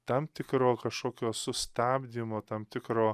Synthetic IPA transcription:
t̪ɐmt̪ʲɪkɾoːkɐʃkoːkʲoːsʊst̪aːbʲd̪ʲɪmoːt̪ɐmt̪ʲɪkɾoː

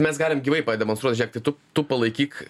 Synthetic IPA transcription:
mʲɛsɡɑːlʲɪmɡʲiʋɐɪpɐd̪ʲɛmonst̪ɾuɔt̪ʲʒʲɛːk̚t̪ɐɪt̪ʊt̪upɐlˠɐɪkʲiːk

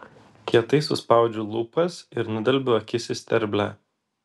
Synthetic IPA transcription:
kʲiɛt̪ɐɪsʊ̰spɑˑʊd͡ʒʲulˠuːpɐsɪɾnʊd̪ʲɛlʲbʲʊɐkʲɪsʲɪsʲt̪ʲɛɾʲbʲlʲæ

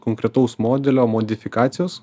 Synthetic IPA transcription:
koŋkɾʲɛt̪ɐʊsmoːd̪ʲɛlʲoːmoːd̪ʲɪfʲɪkɑːt̪sʲɪjoːs

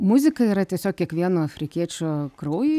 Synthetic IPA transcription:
mʊzʲɪkɐiːɾɐt̪ʲiɛsʲoːk̚kʲiɛkʋʲiɛnoːɐfʲɾʲɪkʲiɛt͡ʃʲokɾɐʊju

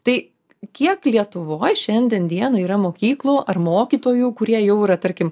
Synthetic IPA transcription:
t̪ɐɪ | kʲiɛklʲiɛt̪ʊʋoːjʃʲɛnʲd̪ʲɛnd̪ʲiɛnoiːɾɐmoːkʲiːklˠoːʔɐrmoːkʲiːt̪oːjuːkʊɾʲiɛjɛʊiɾɐt̪ɐɾʲkʲɪm

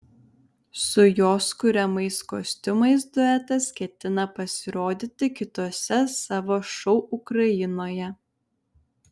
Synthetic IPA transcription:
sʊjoːskʊɾʲɛmɐɪskoːsʲt̪ʲʊmɐɪsd̪ʊɛːt̪ɐskʲɛt̪ʲɪnɐpɐsʲɪɾoːd̪ʲɪt̪ʲɪkʲɪt̪oːsʲɛsɑːʋoːʃɔʊʔʊkɾɐjɪnoːjɛ

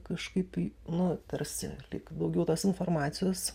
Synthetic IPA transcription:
kɐʃkɐɪpinʊt̪ʲɐrʲsʲɪ̰lʲɪ̰kd̪ɐʊɡʲɛʊt̪oːsɪnfoːrmɑːt̪sʲɪjoːs

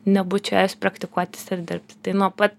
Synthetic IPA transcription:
nʲɛbʊt͡ʃʲɛɛʊsʲpɾɐkt̪ʲɪkuɔt̪ʲɪ̥sɪɾd̪ʲɪɾp̚ʲt̪ʲt̪ɐɪnuɔpɐt̪

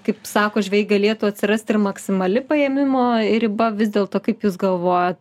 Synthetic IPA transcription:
kɐɪpsɑːkoːʒʲʋʲɛjɡɐlʲeːt̪uːɐt̪ʲsʲɪrɐsʲt̪ɪrmɐksʲɪmɐlʲɪpɐeːmʲɪmoːɪɾɪbɐʋʲɪzʲd̪ʲeːlˠt̪oːkɐɪpjuːsɡɐlˠʋoːjɛt̪

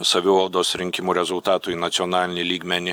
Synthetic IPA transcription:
sɐʋʲɪʋɐlˠd̪oːsɾʲɪŋʲkʲɪmuːɾʲɛzʊlˠt̪ɑːt̪ʊnɐt̪sʲɪɔnɑːlʲɪnʲɪlʲiːɡmʲɛnʲɪ

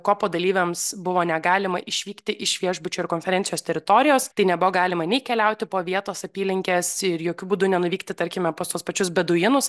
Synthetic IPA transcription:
koːpoːd̪ɐlʲiːʋʲɛmsbʊʋoːnʲɛɡɑːlʲɪmɐʔɪʃʲʋʲiːkt̪ʲɪʔɪʃʋʲiɛʒbʊt͡ʃʲoːɪɾkoːnʲfʲɛɾʲɛnʲsʲɪjoːst̪ʲɛɾʲɪt̪oːɾʲɪjoːst̪ɐɪnʲɛbʊʋoːɡɑːlʲɪmɐnʲɛɪkʲɛlʲɛʊt̪ʲɪpoːʋʲiɛt̪oːsɐpʲiːlʲɪŋʲkʲeːsɪɾjoːkʲubuːd̪ʊnʲɛnʊʋʲiːkt̪ʲɪt̪ɐɾʲkʲɪmʲɛpoːst̪uɔspɐt͡ʃʲʊsbʲɛd̪ʊjɪnʊs

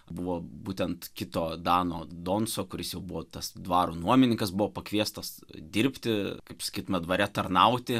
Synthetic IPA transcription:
bʊʋoːbuːt̪ʲɛnt̪kʲɪt̪oːd̪ɑːnoːd̪oːnsoːkʊɾʲɪsjɛʊbʊʋoːt̪ɐsd̪ʋɑːɾuːnuɔmʲɪnʲɪŋkɐsbʊʋoːpɐkʋʲiɛst̪ɐs | d̪ʲɪɾʲpʲt̪ʲɪkɐɪpsɐ̥kʲiːt̪ʊmʲɛd̪ʋɐɾʲɛt̪ɐrnɐʊt̪ʲɪ

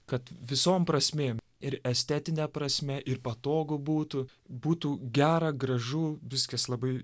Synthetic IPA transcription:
kɐt̪ʋʲɪsoːmpɾɐsʲmʲeːm | ɪɾɛsʲt̪ʲɛt̪ʲɪnʲɛpɾɐsʲmʲɛʔɪɾpɐt̪oːɡobuːt̪ʊ | buːt̪uɡʲæːɾɐɡɾɐʒuːʋʲɪskɐslˠɐbɐɪ

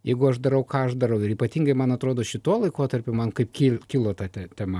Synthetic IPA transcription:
jɛɪɡʊɐʃd̪ɐɾɐʊkɑːɐʃd̪ɐɾɐʊɪɾiːpɐt̪ʲiːŋɡɐɪmɐnɐt̪ɾoːd̪oːʃʲɪt̪oɔlˠɐɪkoːt̪ɐrʲpʲʊmɐnkɐɪpkʲilkʲɪːlˠoːt̪ɑt̪ʲɛt̪ʲɛmɐ

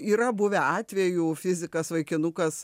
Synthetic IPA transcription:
iːɾɐbʊʋʲɛɑːt̪ʲʋʲejufʲɪzʲɪkɐsʋɐɪkʲɪnʊkɐs

